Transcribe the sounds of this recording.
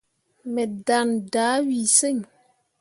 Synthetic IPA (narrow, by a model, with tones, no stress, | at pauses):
mɛ˨da˨ndaː˨˦wi˨se˦ɲ